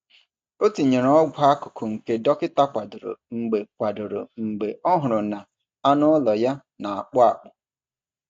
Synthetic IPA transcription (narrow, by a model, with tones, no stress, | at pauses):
o˦ti˨ɲe˨ɾɔ˦ɡʷʊ˦a˦kʊ̥˨kʰʊ˨ŋ̩˨ke˦dɔ˦kɪ˦ta˦kʷa˨dʊ˨ɾʊ̰˨ŋ͡m̩˨ɡ͡be˨kʷa˨dʊ˨ɾʊ̰˨ŋ͡m̩˨ɡ͡be˨ɔ˦ɦʊ˨ɾʊ˨na˨ | a˦nʊ˦lɔ˨ja˦ | na˨a˨k͡pʊ˦a˨k͡pʊ˨